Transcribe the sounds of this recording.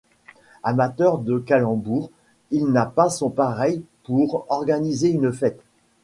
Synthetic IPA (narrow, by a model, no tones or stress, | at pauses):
amat̪œʁd̪əkalɑ̃buʁ | ilnapasɔ̃paʁɛjpuʁɔʁɡanizeynfɛt̪